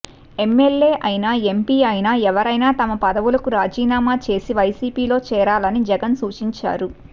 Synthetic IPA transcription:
e̞mːe̞lːe̞ːʔɐjnaːe̞mpiːɐjnaːɛʋɐɾɐjnaːt̪ɐmɐpɐd̪ɐʋulɐkuɾaːd͡ʒiːnaːmaːt͡ʃe̞ːsiʋɐjsiːpiːlo̞ːt͡ʃɛːɾaːlɐnid͡ʒɛɡɐnsuːt͡ʃiɲt͡ʃa̰ːɾu

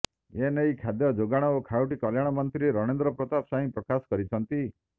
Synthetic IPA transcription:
enejkʰad̪jɔd͡ʒoɡaɽ̃ɔokʰauʈikɔljaɽ̃ɔmɔnt̪ɾieɾɔɽ̃end̪ɾɔpɾɔt̪apsaɦĩpɾɔkasɔ̥kɔɾit͡ʃʰɔnt̪i

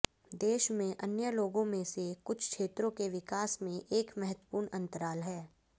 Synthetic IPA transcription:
d̪eːʃmẽʔɐnjəloːɡõmẽsekʊt͡ʃʰkʃeːt̪ɾõkeʋɪkaːsmẽʔeːkmɛɦət̪wəpuːɾɳɐ̃nt̪əɾaːlɦɛː

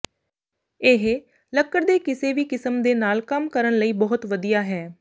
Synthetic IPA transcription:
ɪɦ | ləkːəɾd̪eːkɪseːʋiːkɪsəmd̪eːnaːlkəmkəɾəɳləiːbɔɦʊt̪ʋəd̪ijaːɦɛː

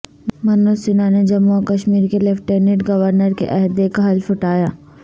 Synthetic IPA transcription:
mɐnosɪnaned͡ʒɐmːuokɐʃmiːɾkelɛfʈeːnɪʈɡɐʋəɾnəɾkḛʔɐɦd̪ekaɦɐlfʊʈaːjaː

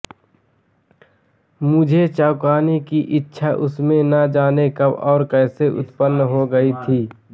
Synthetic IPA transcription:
mʊd͡ʒʱet͡ʃaʊkaːnekiʔɪtːʃʰaʔʊsmẽnɐd͡ʒaːnekɐbɔːɾkɛːseʔʊ̰t̪pənːɦoɡəit̪ʰiː

